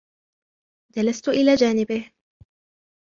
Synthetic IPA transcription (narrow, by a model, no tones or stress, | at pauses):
d͡ʒalast̪ʊʔɪlaːd͡ʒaːnɪbɪh